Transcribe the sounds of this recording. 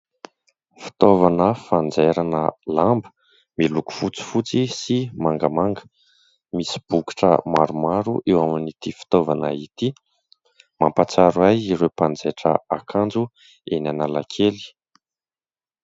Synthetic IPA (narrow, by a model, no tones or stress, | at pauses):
fi̥t̪ovanəfand͡zeɾanəlambə̥ | miluku̥fut͡si̥fut͡sisimaŋɡəmaŋɡə̥ | misi̥b̥uki̥ʈ͡ʂə̰maɾumaɾuʔewaminit̪ifi̥t̪ovanə̰it̪i | mampat͡saɾajiɾewpand͡zeʈ͡ʂə̰akʰand͡zu | enanala̰kʰeli̥